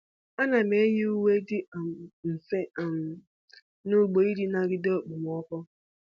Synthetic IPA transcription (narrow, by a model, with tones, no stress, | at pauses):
a˦na˨me˨˦ɦi˦u˦we˦dɪ˦˨m˨n̩˨fe˦˨m˨ | nʊ˦˨ɡ͡bo˨i˦di˦na˨ɡɪ˦do˦˨k͡pu˨m˨ɔ˦kɔ˦